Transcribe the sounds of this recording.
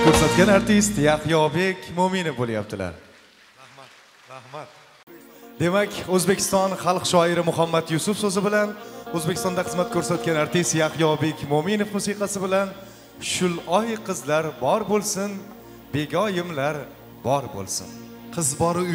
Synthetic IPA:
kʲʰɵɾsat̪ɡʲanaɾt̪ʰist̪jaqjɒbe̞kʲmomɪnofbolˠija̰p̚t̪ʰɪla̰ɾ | ɾahmat̪ | d̪e̞makʲʰɵzbekʲʰɪ̥st̪ɒnχɑlˠqʃɒɪɾɪmʊɦamːat̪jʊsʊfsɵzɪbɪlanɵzbekʲʰɪst̪ɒnd̪aχɨzmat̪̚kʲʰɵɾsat̪̚ɡʲanaɾt̪ɪst̪jaqjɒbe̞kʲmomɪnofmʊsiqʰɑsɪbɪlan | ʃʊlˠɒjqʰɨzlaɾbɒɾbolˠsɪn | be̞ɡʲɒjɪmlaɾ | bɒɾbo̰lˠsɪ̰n | qʰɨzbɒɾɪ

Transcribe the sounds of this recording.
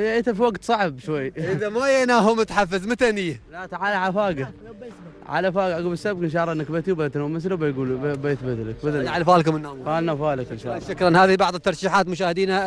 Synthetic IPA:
hɪʔit̪afiwaɡt̪sˤɑʕbʃwajːʔɪðamajanaːɦumʊt̪ħafːazmat̪anɪjːalat̪aʕaːlʕalafaːɡa | ʕa̰lafaːɡaʔaɡuːlbɪsːab̚kɪnʃ̬ɑːʕlˤːɑʔɪnːakbat̪iwbaat̪namɪsɾabajɡuːlbajɪθbɪt̪lakbad̪aʕalafaːlkʊmɪnːaːmaːlnafaːlakɪnʃa̰ːʃːakɾˤanhaːðihibɑʕðˤət̪ːɑɾˤʃiːħaːt̪mʊʃaːhɪd̪iːna

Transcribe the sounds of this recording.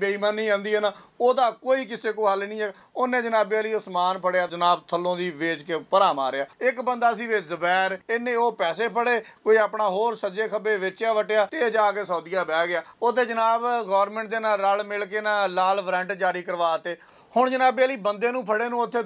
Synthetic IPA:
beiːmaːnĩːãːnd̪iːɛːnaːoːd̪aːkoːiːkɪseːkoːɦəlnĩːɛː | onːẽːd͡ʒənaːbeːaːliːosmaːnpʰəɽeaːd͡ʒənaːbt̪ʰəlõːd̪iːʋeːd͡ʒkeːpəɾaːma̰ːɾeaːɪkbənd̪aːs̬ĩːʋezəbɛːɾeːnẽːoːpɛːseːpʰəɽeː | koːiːaːpɳaːɦoːɾsəd͡ʒeːkʰəbeːʋɪt͡ʃaːʋəʈeːaːt̪eːd͡ʒaːkeːsɔːd̪ɪjaːbɛːɡɪaːoːt̪eːd͡ʒənaːbɡɔːʋɾmɛ̃ːɳʈ̚d̪eːnaːlɾəlmɪlk̬eːnãːlaːlpʰɾɛ̃ɳʈd͡ʒaːɾiːkəɾʋaːt̪ːeː | hʊɳd͡ʒənaːbeːaːliːbənd̪eːnũːpʰəɽeːnũːʊt̪ʰːeː

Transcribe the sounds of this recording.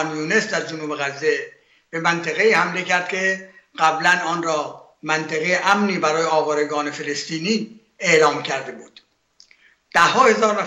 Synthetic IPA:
njuːne̞sd̪æɾd͡ʒonuːbeɣæzːe | b̥e̞mænt̪ʰeɣeiːhæmlecæɾd̪̚kʰe̞ɢ̥æblænɒːnɾɒː | mænt̪ʰeɣejeʔæmniːbæɾɒːjeɒːvɒːɾeɡɒːne̞fe̞lest̪iːniː | eʔlɒːmcʰæɾd̪ebuːd̪̥ | d̪̥æhɦːɒːhe̞zɒːɾnæ

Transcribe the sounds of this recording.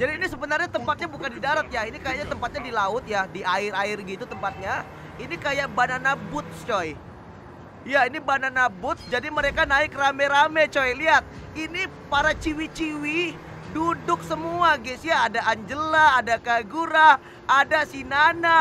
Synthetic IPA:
d͡ʒadiːnisəbənarɲat̪əmpat̪̚ɲabukandidaɾat̪̚jainikajaʔɲat̪əmpat̪̚ɲadilaʊt̪̚jadiaɪɾaɪrɡit̪ut̪əmpat̪̚ɲa | inikajaʔbananabʊt̪̚t͡ʃɔj | jainibananabʊt̪̚d͡ʒadiməɾekanaɪkrameɾamɛt͡ʃɔjliat̪̚ini | paɾat͡ʃiwit͡ʃiwi | dudʊk̚səmuaɡɛsiaːdaːɲd͡ʒəlaːdakaɡuɾa | adasinana

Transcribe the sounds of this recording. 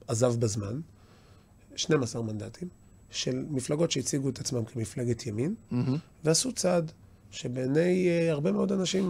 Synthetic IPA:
ʔazavbazman | ʃnemasaʁmand̪at̪ʰim | ʃe̞lmiflaɡo̞tʃe̞it͡siɡuet̪at͡smamkʰe̞miflaɡet̪ʰjamin | veasut͡sad | ʃe̞beːnajaʁbe̞meo̞d̪anaʃim

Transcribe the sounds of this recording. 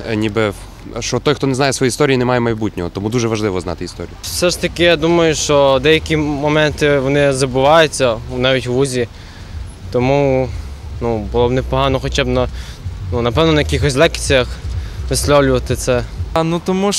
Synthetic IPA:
nʲibɪ | ʃt͡ʃɔt̪ɔjxt̪ɔnɛznɑjɛsʋɔjist̪ɔɾʲijinɛmɑjɛmɐjbutʲnʲɔɦɔt̪ɔmud̪uʒɛʋɐʒlˠɪʋɔznɑ̰t̪ɪist̪ɔ̰ɾʲijʊsɛʐt̪ɐkɪjad̪umɐjʊʃt͡ʃɔd̪ɛjɐkʲimɔmɛnt̪ɪʋɔnɪzɐbʊʋɑjʊt͡sʲːɐunɑʋʲitʲʋuzʲi | t̪ɔmu | nubʊlˠɔbnɛpɔɦɑnɔxɔt͡ʃabnɐ | nunɐpɛwnɔnɐjɐkʲixɔsʲlˠɛkt͡sʲijɐxʋɪslʲɔwlʲʊʋɐt̪ɪt̪sɛnut̪ɔmu

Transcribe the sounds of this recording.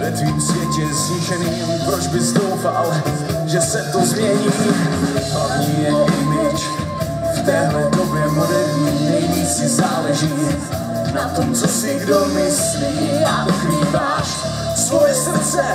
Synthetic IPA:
vɛt̪viːmsvjɛcɛsliːʃɛniː | pɾod͡ʒbɪzdowfal | ʒɛsɛt̪ozmɲɛɲi | alɛʒɪjɛʔɪmɪt͡ʃ | ft̪ɛːɦlɛdobjɛɦodɛvɲiːnɛjviːt͡sɪzaːlɛʒiː | nat̪omt͡sosɪɡdomɪsliːjaːkɾiːvaːʃ | svojɛsr̩t͡sɛ

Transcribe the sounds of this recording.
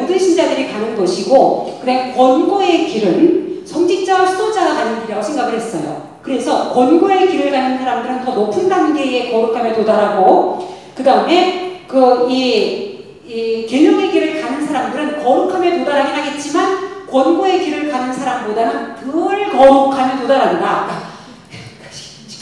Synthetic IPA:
odɯnɕʰind͡ʑadɯɾikanɯnɡʌɕʰiɡokɯɾeɡkwʌnɡoe̞kiɾɯnsʰʌŋd͡ʑik̚t͡ɕ͈awɯsʰudod͡ʑ͈aɡakanɯiɾaɡosʰe̞ŋɡaɡɯɭhe̞s͈ʌjo̰ | kɯɾe̞sʰʌkwʌnɡoe̞kiɾɯɭɡanɯnsʰaɾamdɯɾɯntʌnopʰɯnbanɡe̞ie̞kʌɾukʰamjetodaɾaɡo | kɯdaɯme̞kɯi | ike̞ɲʌŋe̞ɡiɾɯɭkanɯnsʰaɾamdɯɾɯnkʌɾukʰamjetodaɾaɡinɦaɡe̞t̚t͡ɕ͈imankwʌnɡoe̞kiɾɯɭkanɯnsʰaɾambodanɯnkɯɭkʌɾukʰamjʌtodaɾannda

